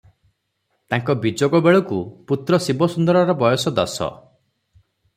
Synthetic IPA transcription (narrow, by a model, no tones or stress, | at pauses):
t̪aŋkɔbid͡ʒoɡɔbeɭɔkuput̪ɾɔsibɔsund̪ɔɾɔɾɔbɔjɔsɔd̪ɔ̰sɔ̰